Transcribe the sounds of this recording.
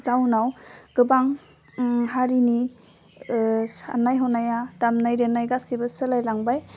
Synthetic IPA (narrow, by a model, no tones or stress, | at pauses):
zawnawɡ̥ɯbaŋ | ɦaɾini | sa̰najɦɔnajad̥amnajɾenajɡasibɯsɯlajlaŋbaj